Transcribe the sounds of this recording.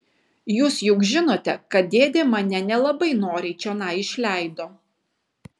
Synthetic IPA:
juːsjʊkʒʲɪnoːt̪ʲɛkɐt̪̚d̪ʲeːd̪ʲeːmɐnʲɛnʲɛlˠɐbɐɪnoːɾʲeɪt͡ʃʲoːnɑːɪʃʲlʲæˑɪd̪oː

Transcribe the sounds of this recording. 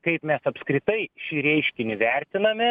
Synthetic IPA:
kɐɪpmʲɛsɐpskɾʲɪt̪ɐɪʃʲiːɾʲɛɪʃʲkʲɪnʲɪʋʲɛɾʲt̪ʲɪnɐmʲɪ

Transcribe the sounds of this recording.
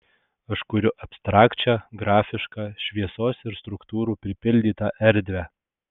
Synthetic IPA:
ɐʃkʊɾʲʊʔɐpʲst̪ɾɑːkt͡ʃʲæɡɾɑːfʲɪʃkɑːʃʲʋʲiɛsoːsɪɾst̪ɾʊkt̪uːɾuːpʲɾʲɪpʲɪlʲd̪ʲiːt̪ɑːʔɛɾʲd̪ʲʋʲæ

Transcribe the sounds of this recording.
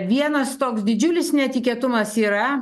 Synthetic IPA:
ʋʲiɛnɐst̪oːksd̪ʲɪd͡ʒʲʊlʲɪsnʲɛt̪ʲɪkʲiɛːt̪ʊmɐsiːɾɐ

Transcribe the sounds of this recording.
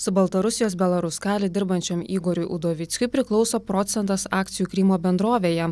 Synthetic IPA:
sʊbɐlˠt̪ɐɾʊsʲɪjoːsbʲɛlˠɐɾʊskɑːlʲed̪ʲɪɾbɐnʲt͡ʃʲɛmiːɡoːɾʲʊɪʔʊd̪oːʋʲɪt̪sʲkʲʊɪpʲɾʲɪklˠɒʊsoːpɾɔːt̪sʲɛnt̪ɐsɑːkt̪sʲɪjuːkɾʲɪmoːbʲɛnd̪ɾoːʋʲeːjɛ

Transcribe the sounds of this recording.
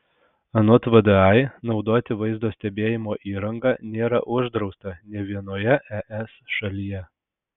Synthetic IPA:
ɐnot̪ʋəd̪ɨɑɪnɒʊd̪oːt̪ʲɪʋɐɪzd̪oːsʲt̪ʲɛbʲeːjɪmoːʔiːɾɐŋɡɑːnʲeːɾɐ̰ʔʊʒd̪ɾɒʊst̪ɐnʲɛʋʲiɛnoːjɛʔɛʔɛsʃɐlʲɪjɛ

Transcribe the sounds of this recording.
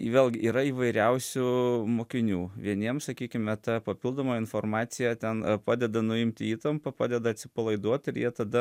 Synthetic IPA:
ʋʲeːlʲˠɡʲɪʔiːɾɐiːʋɐɪɾʲɛʊsʲʊmoːkʲɪnʲuːʋʲiɛnʲiɛmsɐkʲiːkʲɪmʲɛt̪ɐpɐpʲɪlˠd̪oːmoːɪnfoːrmɑːt̪sʲɪjɛt̪ʲɛnpɑːd̪ʲɛd̪ɐnʊɪmʲt̪ʲɪiːt̪ɐmpɐpɑːd̪ʲɛd̪ɐɐt̪ʲsʲɪpɐlˠɐɪd̪uɔt̪ɪɾjiɛt̪ɐd̪ɐ

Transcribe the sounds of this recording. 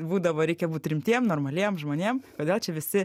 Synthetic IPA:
buːd̪ɐʋoːɾʲɛɪkʲɛbuːt̪ɾʲɪmʲt̪ʲiɛmnoːrmɐlʲiɛmʒmoːnʲiɛmkoːdʲeːlˠt͡ʃʲɛʋʲɪsʲɪ

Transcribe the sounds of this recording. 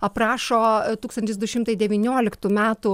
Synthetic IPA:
ɐpɾɑːʃoːt̪uːkst̪ɐnʲt̪ʲɪsd̪ʊʃʲɪmt̪ɐɪd̪ʲɛʋʲiːnʲoːlʲɪkt̪uːmʲæːt̪ʊ

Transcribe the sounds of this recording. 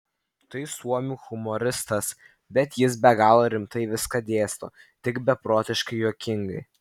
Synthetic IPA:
t̪ɐɪsuɔmʲuːxʊmoɾʲɪst̪ɐs | bʲɛt̪jɪsbʲɛɡɑːlˠoːɾʲɪmt̪ɐɪʋʲɪskɐd̪ʲeːst̪o̰ː | t̪ʲɪkbʲɛpɾoːt̪ʲɪʃkɐɪjoːkʲɪŋɡɐɪ

